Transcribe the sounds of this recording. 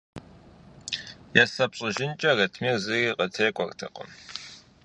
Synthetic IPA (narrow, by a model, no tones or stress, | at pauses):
jasɐpɕʼɨʒɪnt͡ʃʼɐrɐtʰmiːzɨɣiqʼətʰeːkʷʼɔrtʰɐ̰qʼə̰m